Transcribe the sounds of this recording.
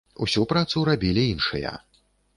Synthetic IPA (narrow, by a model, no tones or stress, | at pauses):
usʲupɾat̪suɾabʲilʲiinʂɨ̰jɐ̰